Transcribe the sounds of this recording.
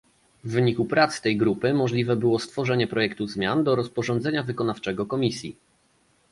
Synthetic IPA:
vːɘɲikupɾat̪st̪ɛjɡɾupɘmɔʐlʲivɛbɘwɔst̪fɔʐɛɲɛpɾɔjɛkt̪uzmʲjand̪ɔɾɔspɔʐɔnd̪zɛɲavɘkɔnaft͡ʂɛɡɔkɔmʲisʲji

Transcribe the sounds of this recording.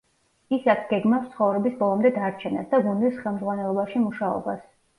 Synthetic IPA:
isakʰɡ̥ɛɡmafst̪sʰχɔvɾɛbisbɔlˠɔmd̪ɛd̪aɾt͡ʃʰɛna̰sd̪aɡund̪isχɛlˠmd̪zʁwanɛlˠɔbaʃimuʃaɔ̰bas

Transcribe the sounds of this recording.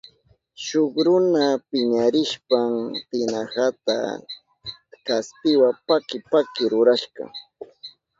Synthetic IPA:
ʃoχɾʊnapɪɲaɾɪʃpamt̪ɪnahat̪a̰ | kaspɪwapakɪpakɪɾʊɾaʃɢɑ̰

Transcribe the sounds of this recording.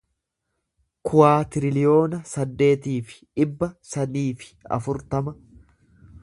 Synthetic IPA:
kʰʊwaːt̪ɪɾɪlɪjo̞ːnɐsɐd̪ːe̞ːt̪iːfɪ̥ᶑɪbːɐsɐniːfɪ̥ɐ̰fʊɾt̪ɐmɐ

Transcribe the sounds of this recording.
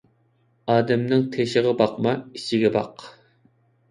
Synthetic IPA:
ɑːd̪ɛmnɪŋt̪ʰeʃɪʁɑbɑq̚mɑit͡ʃʰɪɡʲɛbɑq

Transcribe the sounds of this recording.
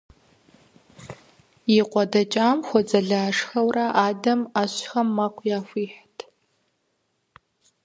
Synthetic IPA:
iqʷʼɔdat͡ʃʼamxʷɔd͡zʼɐɮaːʂxɐwraʔaːdɐmaɕxɐmːaqʷʰʼjaːfʷiːħtʼ

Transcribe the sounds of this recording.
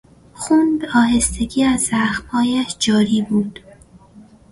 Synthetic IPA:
xund̪ɒːɦe̞st̪e̞ɡiːæzːæxmhɒːjæʃd͡ʒɒːɾiːbuːd̪̥

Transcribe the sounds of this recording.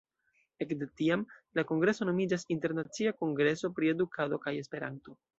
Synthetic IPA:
e̞kdetiamlako̞ŋɡɾe̞so̞no̞mid͡ʒasinte̞ɾnat͡siako̞ŋɡɾe̞so̞pɾie̞dukʰado̞kaje̞spe̞ɾanto̞

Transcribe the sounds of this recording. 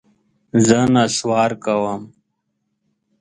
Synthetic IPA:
zənaswaːɾkawam

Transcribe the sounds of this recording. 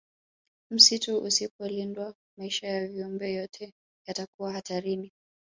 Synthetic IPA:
m̩situʔusipɔlindwa | maiʃajaviumbɛjɔtʰɛ | jatakuwahataɾini

